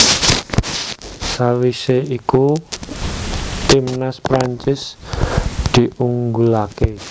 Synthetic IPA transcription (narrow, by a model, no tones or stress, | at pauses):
sawiseiku | t̪imnaspɾaɲt͡ʃɪs | d̪̥i̤ʔuŋɡulake